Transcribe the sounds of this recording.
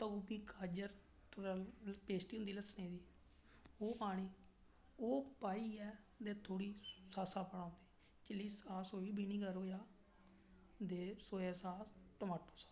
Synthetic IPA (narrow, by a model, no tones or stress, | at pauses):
t̪əɡupiːkʰaːd͡ʒəɾ | t̪ʊɾpeːsʈ̪iːɦʊnd̪iːləsneːd̪iːɛ | oːpaːɽ̃iː | oːpaːiːɛː | d̪eːt̪ʰoːɽiːsaːsaːpəɽãːnd̪eː | t͡ʃɪlːiːsaːsoːiːbiːniːɡəɾɦoːjaː | d̪eːsoːeːsaːsʈəmaːʈoːsḁ